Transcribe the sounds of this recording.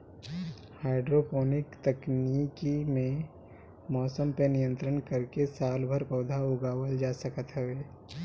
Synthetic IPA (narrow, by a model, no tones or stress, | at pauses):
haːɪɖɾopɔːnɪkt̪əknikimẽ | mɔːsəmpenijə̃nt̪ɾənkəɾkesaːlbʱəɾpɐːd̪ʱaoɡaːwəld͡ʒaːsəkət̪ɦɛʋeː